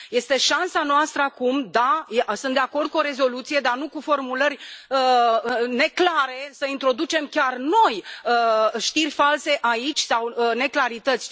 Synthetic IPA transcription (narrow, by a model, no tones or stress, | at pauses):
je̞st̪e̞ʃansanoast̪ɾəakumd̪ajesɨnt̪d̪eako̞rd̪̚kuoɾe̞zo̞lut̪sije̞d̪anukufo̞rmulərʲəne̞klaɾe̞səint̪ɾo̞d̪ut͡ʃe̞mkʲarno̞jəʃt̪irʲfalse̞ʔait͡ʃʲsawəne̞klaɾit̪ət̪sʲ